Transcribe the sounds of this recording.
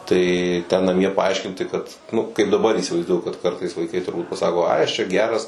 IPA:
ˈtɐɪ tʲɛn nɐˈmʲiɛ pɐˈɐɪʃʲkʲɪnʲtʲɪ kɐt nʊ kɐɪp dɐˈbɐr iːsʲɪʋɐɪzˈduɔjʊ kɐt ˈkɐrtɐɪs ʋɐɪˈkɐɪ tʊrˈbuːt pɐˈsɑːkoː ˈɐɪ ˈɐʃ t͡ʃʲɛ ˈɡʲæːrɐs

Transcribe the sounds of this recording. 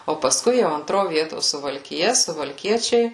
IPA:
oː pɐsˈkʊɪ jɛʊ ɐnˈtroː ˈʋʲiɛtoː sʊʋɐlʲkʲɪˈjɛ sʊʋɐlʲˈkʲiɛt͡ʃʲɛɪ

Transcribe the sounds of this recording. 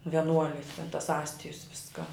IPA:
ʋʲɛˈnuɔlʲɪs tʲɛn tɐs ˈɑːsʲtʲɪjʊs ˈʋʲɪskɑː

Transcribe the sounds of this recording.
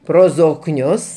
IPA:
ˈproː zoːkˈnʲʊs

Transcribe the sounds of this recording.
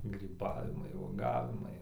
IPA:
ɡrʲiːˈbɑːʋʲɪmɐɪ uɔˈɡɑːʋʲɪmɐɪ

